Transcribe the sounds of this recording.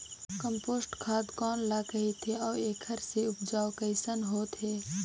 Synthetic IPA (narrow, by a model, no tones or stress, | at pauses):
kəmpoːsʈkʰaːd̪kɔːnlaːkɐɦit̪ʰeɔːeːkʰəɾseʊpʰd͡ʒaːokəɪsənɦoːt̪ɦeː